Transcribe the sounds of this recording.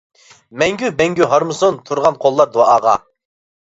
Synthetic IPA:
mɛŋɡʲybɛŋɡʲyɦɑɾmɨsont̪ʰuɾʁɑnqʰolˠːɑɾd̪oɑːʁɑ̰

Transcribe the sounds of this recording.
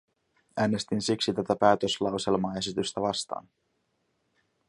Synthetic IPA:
æːne̞st̪insiksit̪æt̪æpæːt̪ø̞slɑwse̞lmɑːe̞sit̪yst̪æʋɑst̪ɑ̰ːn

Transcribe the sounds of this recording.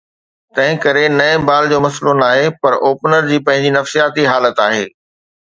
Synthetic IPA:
t̪ɐ̃ɦɪ̃kɐɾenɐebaːld͡ʑoːmɐslonaːɦepɐɾoːpnəɾd͡ʑiːpɐ̃ɦɪ̃ɲd͡ʑinɐfsijaːt̪iɦaːlət̪aːɦeː

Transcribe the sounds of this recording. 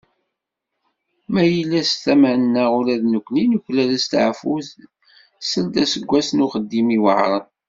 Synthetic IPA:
mæjəlːæst̪æmænnːæʊɾæðnəkʷːninuçlæðæst̪ʕfuθ | səld̪æsəɡʷːæsnuχəd̪ːimiwə̰ʕɾˤən

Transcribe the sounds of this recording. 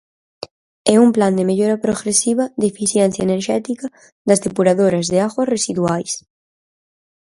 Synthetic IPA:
ɛumpland̪emeʎoɾapɾoɣɾesiβɐd̪efiθjɛnθjɐeneɾʃɛt̪ikɐ | ðɐzðepuɾaðoɾɐzðeaɣwaresiðwajs

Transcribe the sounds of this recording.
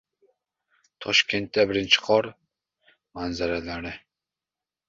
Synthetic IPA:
t̪ʰɒʃkʲe̞nt̪ːabɪɾɪnt͡ʃʰɪ̥qʰɒɾ | manzaɾalaɾɪ

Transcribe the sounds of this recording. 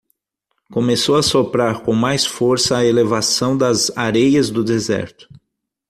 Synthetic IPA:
kõmesowɐsopɾaɾkõw̃majsfoɾsɐːelevasɐ̃w̃d̪ɐzaɾejɐzd̪ʊd̪ezɛ̰ɾt̪ʊ̥

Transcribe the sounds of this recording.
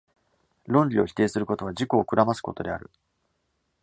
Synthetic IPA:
ɾõ̞ɲlʲio̞çʲi̥t̪e̞ːsɨɾɯ̟ko̞t̪o̞βaʑiko̞ːkɯ̟ɾamasɨ̥ko̞t̪o̞̰d̪e̞a̰ɾɯ̟

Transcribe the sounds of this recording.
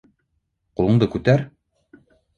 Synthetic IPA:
qulˠɤ̆ɴd̪ɤkʉt̪æɾ

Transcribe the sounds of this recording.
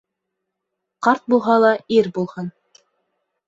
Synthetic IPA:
qɑɾt̪̚bulˠɦɑlˠɑiɾbulˠhɤn

